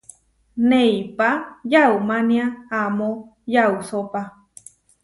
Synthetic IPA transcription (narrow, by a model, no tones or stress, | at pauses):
neipajaumaniaamojausopa